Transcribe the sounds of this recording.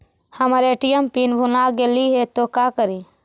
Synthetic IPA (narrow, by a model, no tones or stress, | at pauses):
həmɾeʈijəmpinbʱunaɡeliɦet̪okakəɾi